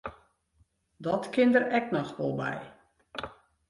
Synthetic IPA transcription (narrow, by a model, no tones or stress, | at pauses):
dɔtkɪndərɛknɔxʋɔlˠbɛ̰j